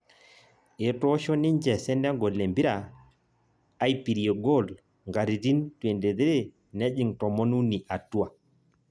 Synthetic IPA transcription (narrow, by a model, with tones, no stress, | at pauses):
e˨tɔ˦ʃɔ˦nɪ˦ɲd͡ʒɛ˨sɛ˦nɛ˦ŋɡɔ˨le˨mbi˦ɾa˨˦ | i˦pi˨ɾi˨e˨ɡo˦˨l | ŋɡa˨ɾi˨ti˦ntwe˨nde˨ðe˦ɾe˦ | nɛ˦d͡ʒi˨ŋtɔ˨mɔ˦nu˦ni˨ʔa˨tu˦a˨